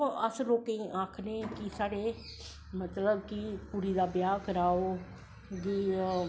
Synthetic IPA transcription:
oəsloːkeĩːʔãːkʰneːkisaːɽeː | mət̪ləbkipuɾiːd̪aːbjaːkəɾaːoː | ɡiː

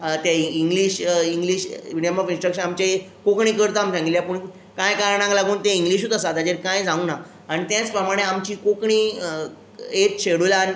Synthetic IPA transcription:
t̪jaiŋɡliːɕiŋɡliːɕʋinjamafĩnsʈɾəkɕənamt͡ɕaekokɳ̃iːkəɾt̪aːmsãŋɡiljapuɳ | kajkaɾɳãŋklaɡuːnt̪eiŋɡliɕ̬uːt̪əsat̪ad͡ʑeɾkãjd͡zãũna | aɽ̃it̪jãt͡spɾəmaɽ̃eamt͡ɕiːkokɳiː | et̪ɕeɽulan

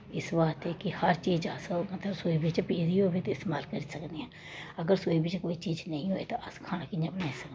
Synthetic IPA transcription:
ɪsbaːt̪eːkɪhəɾt͡ʃiːd͡ʒaːsomət̪ləbsoːiːbɪt͡ʃpeːziːɦoːbit̪ɪst̪eːmaːlkəɾiːsəkd̪eːãː | əɡəɾsoːiːbɪt͡ʃkoːiːt͡ʃiːd͡ʒnə̃ĩːɦoːeːt̪ãʔəskʰaːnaːkɪɲãːbnaːĩsək̪ː

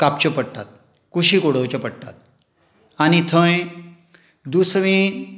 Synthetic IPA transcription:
kap̚t͡ɕəpəɽt̪at̪̚ | kuɕikoɽəwt͡ɕəpəɽt̪a̰t̪̚ | añit̪ʰə̃j | d̪usʋĩ

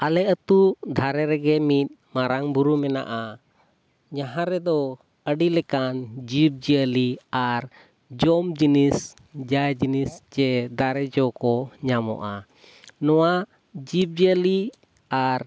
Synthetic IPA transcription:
alɛət̪ud̪ʱaɾɛɾɛɡɛmit̪̚maɾaŋbuɾumɛna̰ʔa | ɲaɦãɾɛd̪ɔ | əɖilɛkand͡ʒip̚d͡ʒiəliaɾ | d͡ʒɔmd͡ʒinis | d͡ʒajd͡ʒinisd͡ʒɛd̪aɾɛd͡ʒɔkɔɲamɔ̰ʔa | nɔwa | d͡ʒip̚d͡ʒiəli | aɾ

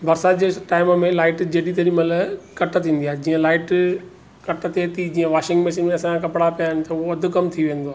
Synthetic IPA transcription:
bɐɾsad͡ʑeʈaːɪmmẽlaːɪʈd͡ʑeːɽit̪̬ɐɾimələkɐʈət̪ʰĩːn̆d̪iaːɦed͡ʑiːə̃laːɪʈ | kɐʈ̆t̪ʰet̪id͡ʑiːə̃ʋaːʃɪ̃ŋɡmeːʃɪnmẽɐsãkɐpɽapijaːɦɪnɪ̆t̪ɐʊoɐd̪ʱʊ̆kɐmt̪ʰiʋẽːnd̪oaː

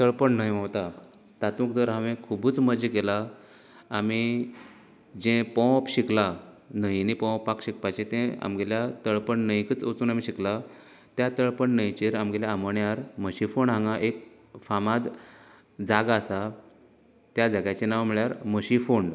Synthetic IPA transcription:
t̪əɭpəɳnəɦjɦə̃wt̪a | t̪at̪ũk̚d̪əɾɦaʋẽkʰubuːt͡sməd͡ʑikelaː | mi | d͡ʑẽpɔ̃pɕikla | nəɦinipɔ̃pːakɕikpat͡ɕet̪ɛ̃a̰mɡeljat̪əɭpəɳnəjkət͡sot͡suːnamiɕikla | t̪jat̪əɭpəɳnəjt͡ɕeɾamɡeljaːməɳjaɾməɕifoɳɦãŋɡaʔek̚ | famad̪ | d͡zaɡasa | t̪jad͡zaɡjat͡ɕenaʋam̤iɭjaɾməɕifoɳɖ

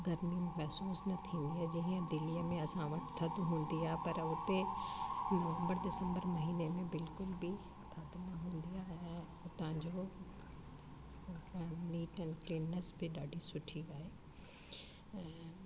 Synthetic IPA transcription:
ɡʱɐɾmimɛɦsuːsnɐt̪ʰĩːn̆d̪iaːd͡ʑiɦə̃d̪ɪlijəmẽɐsãʋɐt̪t̪ʰɐd̪ɦũːnd̪iaːɦepɐɾʊt̪eɖuʋə̃mbəɾɗɪsə̃mbəɾmɐɦiːnemẽbɪlkʊlbɪ | t̪ʰɐd̪nɐɦũːn̆d̪ijaɛ̃ | ʊt̪ãɲd͡ʑo | niːʈɛ̃nkliːnːəsbɪɗaːɖʱisʊʈʰiʋaeː | ɛ̃ː

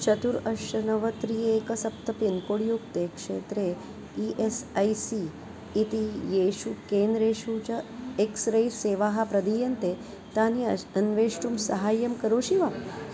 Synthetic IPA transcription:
t͡ʃɐt̪uɾɐʃɐnɐʋət̪ɾiekɐsɐp̚t̪ɐpinkoɽjukt̪ekʂḛt̪ɾe | iʔesajsiː | t̪ijeɕukend̪ɾeɕut͡ɕɐeksɾəjseːʋaɦapɾɐd̪ijɐnt̪e | t̪aniɐnʋeʂʈumsɐɦaːjɐmkəɾoːɕiʋa

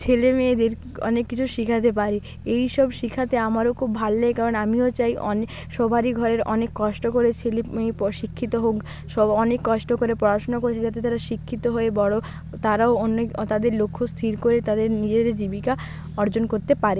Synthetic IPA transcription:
t͡ɕʰelemeed̪eɾ | ɔ̰nekːit͡ɕʰuʃikʰat̪epaɾi | ejʃɔbʃikʰat̪eamaɾokʰubbʱalːekaɾonamiot͡ɕajɔ̰ | ʃɔbʱaɾiɡʱɔɾeɾɔ̰nekːɔʃʈokoɾet͡ɕʰelemepɔʃikʰːit̪oɦok | ʃɔɔnekːɔʃʈokoɾepɾɔɾaʃonokoɾet͡ɕʰed͡ʑat̪̬et̪aɾaʃikʰːit̪oɦoebɔɽo | t̪aɾaoonːot̪ad̪eɾlokʰːost̪ʰiɾkoɾet̪ad̪eɾnid͡ʑed̪eɾd͡ʑibika | ɔɾd͡ʑonkoɾt̪epaɾe

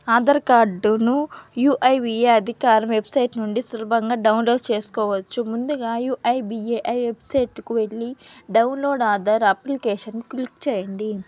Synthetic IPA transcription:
aːd̪ɐɾkaːɖnujuːʔɐjʋieːɐd̪ʱikaːɾɐmʋe̞bsɐjʈnuɳɖisulɐbɐŋɡaːɖɐwunlo̞ːɖt͡ʃe̞ːsu̥kɔːʋɐt͡ʃːumund̪uɡaːjuːʔɐjbieʔɐjʋe̞bsɐjʈkuʋe̞ɭːiɖɐwunlo̞ːɖaːd̪ɐɾɐplikeːʃɐnːklikt͡ʃɛːjɐɳɖi

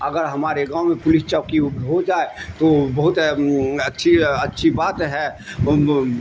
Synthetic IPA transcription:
ɐɡəɾɦɐmaːɾeɡãːomẽpʊlɪst͡ʃəkiʊɦod͡ʒaːet̪obɐɦʊt̪ɐtːʃʰiɐtːʃʰibaːt̪ɦɛ

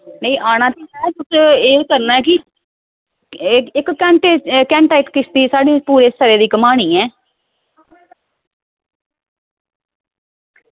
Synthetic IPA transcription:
nəĩːʔaːɽ̃ãːt̪iaɛt̪ʊseːkəɾnaːɛːkɪ | ɪkkːɛ̃ːɳʈeːkɛ̃ːɳʈaːɪkːɪst̪iːsaːɖiːpuːɾeːst̪əɾeːd̪iːkəmaːɽ̃iːɛː

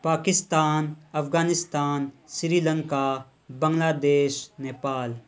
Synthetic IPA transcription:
paːkɪst̪aːnɐfɡaːnɪst̪aːnsɾiːlə̃ŋka | bɐ̃ŋlaːd̪eːʃneːpaːl

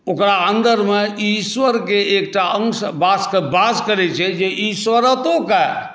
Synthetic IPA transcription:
okɾaənd̪əɾmeiswəɾkeek̚ʈaəŋsbaskebaskəɾɛt͡ʃʰɛd͡ʒeʔiswəɾət̪õke

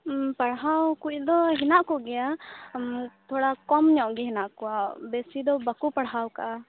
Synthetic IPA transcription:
paɽɦawkuc̚ˀd̪ɔɦinaʔkɔʔɡɛja | t̪ʰɔɽakɔmɲɔʔɡɛɦinaʔkɔabɛsid̪ɔbakupaɽɦawkaʔa

